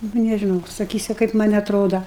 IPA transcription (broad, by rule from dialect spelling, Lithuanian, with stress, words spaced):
ˈnʊ nʲɛʒʲɪˈnɐʊ sɐˈkʲiːsʲʊ kɐɪp ˈmɐnʲ ɐtˈroːdɐ